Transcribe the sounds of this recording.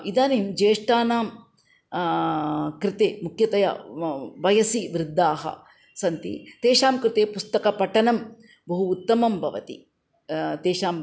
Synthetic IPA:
id̪aːnimd͡ʒeːʂʈaːnaːm | kɾɪt̪eːmukʰjɐt̪ɐjɐ̰ʋɐjɐsiʋɾɪd̪ːaːɦɐ̰ | sɐnt̪ḭt̪eːʂaːmkɾɪt̪eːpust̪ɐkɐpɐʈɐnɐm | bɐɦuːt̪ːɐmɐmbʱɐʋɐ̰t̪ḭ | t̪eːʃaːm

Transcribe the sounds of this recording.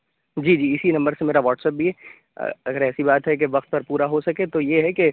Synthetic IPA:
d͡ʒiːd͡ʒiːɪsinɐ̃mbəɾsemeːɾaʋɔːʈsɛːp̚bʱiɦɛ̰ | ɐɡəɾɛːsibaːt̪ɦɛk̬eʋɐqt̪̚pɐɾpuːɾaɦosɐket̪ojeɦɛke

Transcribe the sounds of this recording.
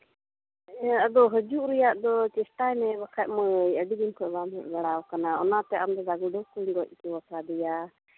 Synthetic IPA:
əd̪ɔɦəd͡ʒuʔɾɛjaʔd̪ɔt͡ʃɛsʈaɛnɛbakʰaʔ̚məjəɖid̪inkʰɔbamɛʔbaɽawkanaɔnat̪ɛʔamd̪ɔd̪aɡuɖɔkuɲɡɔc̚ˀpuwasad̪ɛja

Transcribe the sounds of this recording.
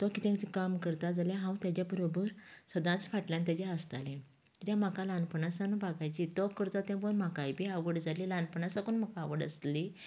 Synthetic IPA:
t̪ɔkit̪ɛ̃t͡sikamkəɾt̪ad͡zaljaɦãwt̪jad͡ʑjabəɾobəɾsəd̪ãt͡sfaʈljãnt̪jad͡ʑjaəst̪alẽ | t̪əɾjãm̤akalanpəɳasanbaɡajt͡ɕit̪ɔkəɾt̪at̪ɛ̃bonm̤akajbiaʋəɽd͡zalilanpəɳasakunm̤akaːʋəɽə̰sli

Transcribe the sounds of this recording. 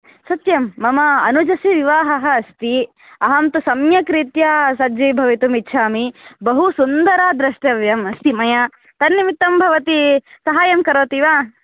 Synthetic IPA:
sɐt̪jɐmːɐmɐɐnud͡ʒɐsiʋiʋaːɦɐɦɐːst̪i | ɐɦɐmt̪usɐmjɐkɾit̪jaːsɐd͡ʒibʱɐʋit̪umitːʃʰaːmibɐɦusund̪ɐɾaːd̪ɾɐʂʈɐʋjɐmɐst̪imɐjaː | t̪ɐnjɐmit̪ːɐmbʱɐʋɐt̪isɐɦaːjɐmkɐɾʋɐt̪iːʋaː

